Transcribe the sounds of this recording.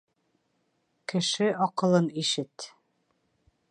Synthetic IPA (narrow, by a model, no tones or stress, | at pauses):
kɘ̆ʃɘɒqɤ̆lˠɤniʃɘt̪